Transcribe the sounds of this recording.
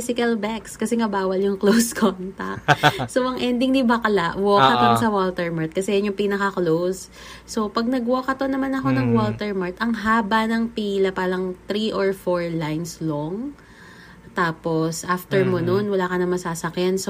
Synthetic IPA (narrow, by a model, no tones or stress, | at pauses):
sɪkɐlbɛkskɐsɛŋɐbaːwɐljʊŋklowskʰont̪ɐk̚soʔɐŋʔɛnd̪ɪŋd̪ɪbakɐlaʔwokɐʔ̪onsɐwolt̪ɛɹmaɹt̪̚kɐsɛjɐnjʊŋpiːnɐkɐklows | so̞pɐɡ̚nɐɡwoːkɐt̪onɐmanɐko̞nɐŋwolt̪ɛɹmaɹt̪ɐŋɦaːbɐnɐŋpiːlɐpaːlɐŋt̪ɾiʔoɹfoɹlajnsloŋ | t̪aːposʔaft̪ɛɹmononwɐlaːkɐnɐmɐsaːsɐkjɛnso